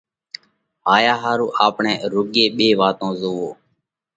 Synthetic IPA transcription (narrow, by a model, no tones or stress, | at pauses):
ɦaːjaːɦaːɾuːʔaːpɳeːɾʊːɠeːɓeːʋaːt̪õːzoːʋoː